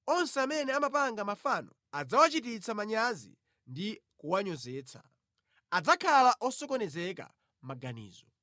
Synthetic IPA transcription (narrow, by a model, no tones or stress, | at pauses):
ɔnsɛamɛnɛamapaŋɡamafanɔ | ad͡zawat͡ʃit̬it͡sʰamaɲazḭ | ndikuwaɲɔzɛːt͡sʰḁ̰ | ad͡zakʰalaʔɔsɔkɔnɛzɛka̰ | maɡanḭːzɔ